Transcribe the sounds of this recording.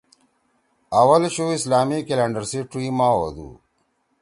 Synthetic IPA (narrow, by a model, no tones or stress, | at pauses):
ɐwɐlɕoːislaːmikeleɳɖəɾseʈɾiːmaːwo̰d̪ṵ